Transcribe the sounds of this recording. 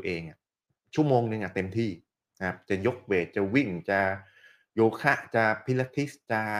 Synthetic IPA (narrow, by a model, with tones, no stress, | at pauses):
ʔeː˧ŋʔa˨˩ | t͡ɕʰu˥˩əmoː˧ŋnɯ˧ŋʔa˨˩t̪e˧mt̪ʰiː˥˩ | kʰa˦˥p̚t͡ɕa˨˩jo˦˥k̚weː˨˩t̪̚t͡ɕa˨˩wi˥˩ŋt͡ɕa˧˩ | joː˧kʰa˦˥˩ʔt͡ɕa˧˩pʰi˦˥la˦˥t̪ʰːi˦˥st͡ɕa˧